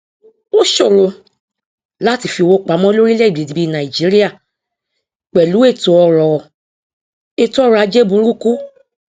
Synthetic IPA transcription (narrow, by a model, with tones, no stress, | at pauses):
o˦ʃo˦˨lo˧ | la˦ti˧˨fi˧wo˦k͡pa˨˦mɔ̃˦lo˦ɾi˦lɛ˦i˨ɡ͡bi˨di˨bi˧˦nã˨i˨d͡ʒi˨˦ɾi˦ja˦˨ | k͡pɛ˨lu˨˦e˦˨to˧ɔ˧ɾɔ˨ɔ˨ | e˧to˦ɔ˦˧ɾɔ˧a˨˧d͡ʒe˦bũ˧˦ɾu˦ku˦